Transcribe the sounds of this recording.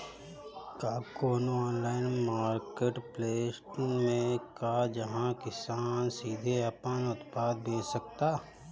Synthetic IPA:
kaːkoːnoɔːnlaːɪnmaːɾkeːʈpleːsʈmẽkad͡ʒɐɦãkɪsaːnsiːd̪ʱeɐpənʊt̪paːd̪̚beːsək̚t̪aː

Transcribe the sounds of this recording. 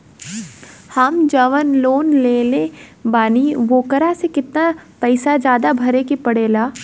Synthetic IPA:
hɐmd͡ʒɐʋənloːnleːle | baːniʋoːkəɾasekɪt̪napɐɪsad͡ʒjaːd̪abʱɐɾekipɐɽeːlaː

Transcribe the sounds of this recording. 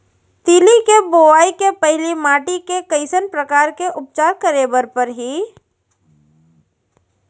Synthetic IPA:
t̪ilikeboːaːikepɛɦɪlimaːʈikekəɪsənpɾəkaːɾkeʔʊp̚t͡ʃaːɾkəɾeːbəɾpəɾɦi

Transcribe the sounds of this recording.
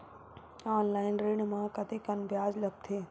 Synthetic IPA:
aːnlaːɪnɾeːɳmãːkɐt̪ekɐnbjaːzlɐb̚t̪ʰeː

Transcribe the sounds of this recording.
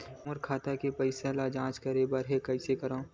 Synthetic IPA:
mʊɾkʰaːt̪akepəɪsalad͡ʒãːt͡ʃkɐɾebəɾɦekɐɪsekɐɾõː

